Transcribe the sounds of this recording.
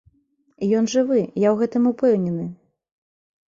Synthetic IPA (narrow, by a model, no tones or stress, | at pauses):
ijɔnʐɨvɨjawɣɛt̪ɨmupɛwnʲɛnɨ